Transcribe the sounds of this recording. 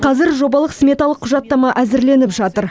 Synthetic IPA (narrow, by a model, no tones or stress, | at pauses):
qʰɑzɪɾʒo̞bɑlˠəqsmʲe̞t̪ɑlˠəqʰːʊʒɑt̪ːɑmɑʔæzɪɾle̞nɪpʒɑt̪əɾ